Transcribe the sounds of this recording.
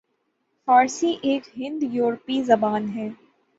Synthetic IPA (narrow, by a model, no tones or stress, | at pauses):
faːɾsiʔeːkɦɪ̃nd̪juːɾpizɐbaːnɦɛː